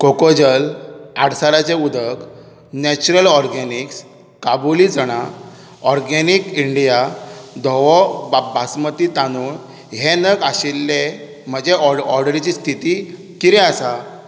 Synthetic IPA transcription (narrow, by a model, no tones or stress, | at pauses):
kokod͡ʑəlaɽsaɾat͡ɕeud̪ʱək | nɛt͡ɕuɾəlɔɾɡeniks | kabulid͡zəɽ̃a | ɔɾɡenikiɳɖijad̪ʱɔʋɔbʱasmət̪it̪anuːn | ɦenəɡaɕilːe | m̤əd͡ʑeɔɔɾɖəɾit͡ɕist̪ʰit̪i | kiɾɛasa